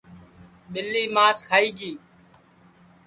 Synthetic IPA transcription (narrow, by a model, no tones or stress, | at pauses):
ɓɪlːiːmaːskʰaːiːɡiː